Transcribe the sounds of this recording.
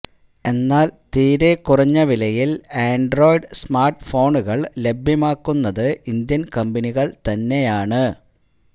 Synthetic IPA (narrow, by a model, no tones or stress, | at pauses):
e̞nːaːlt̪iːɾekːurɐɲːɐʋilɐjileːɳɖro̞ːjɖsmaːrʈɨfo̞ːɳuɣɐɭle̞bʱjɐmaːkːunːɐðɨind̪jɐnkɐmbɐniɣɐɭt̪ɐnːe̞jaːɳɨ